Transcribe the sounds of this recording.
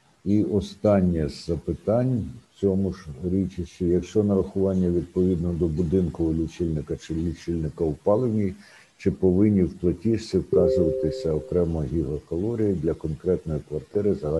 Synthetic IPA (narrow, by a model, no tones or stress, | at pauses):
iʔɔst̪ɑnʲːɛzɐpɪt̪ɑnʲt͡sʲɔmʊʒɾʲit͡ʃɪʃɪjɐkʃt͡ʃɔnɐɾɐxʊʋɑnʲːɐʋʲid̪̚pɔʋʲid̪nɔd̪ɔbʊd̪ɪnkɔɦɔlʲʊt͡ʃilʲnɪkɐt͡ʃɪlʲut͡ʃilʲnɪkɐʊpɑlˠewnʲij | t͡ʃɪpɔʋɪnʲːiwplˠɐtʲiʃsɪwkɑzʊʋɐt̪ɪsʲɐɔkɾɛmɐɦʲiɦɐkɔlˠɔɾʲijid̪lʲɐkɔnkɾɛt̪nɔjikʋɐrt̪ɪɾɪzɐɦɑ